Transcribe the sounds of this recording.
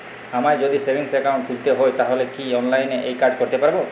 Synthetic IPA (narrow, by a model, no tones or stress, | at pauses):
amajd͡ʒod̪isebʱiŋsekaw̃ɳʈfʰult̪eɦoejt̪aɦolekiɔnlajneʔejkaɾɖkoɾt̪epaɾbo